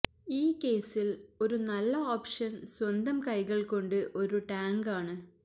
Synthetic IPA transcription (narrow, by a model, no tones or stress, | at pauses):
iːkːe̞ːsilo̞ɾunɐlːɐoːpʂɐnswɐnd̪ɐmkɐjɣɐɭko̞ɳɖɨʔo̞ɾuʈaːŋɡaːɳɨ